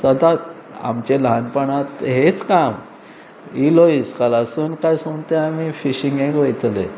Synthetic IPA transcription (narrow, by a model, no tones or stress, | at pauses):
səd̪a | a̰mt͡ɕelɦanpəɳat̪ɦet͡skam | iloiskəlasuːnkajsuŋt̪eamifiɕĩŋɡẽkojt̪le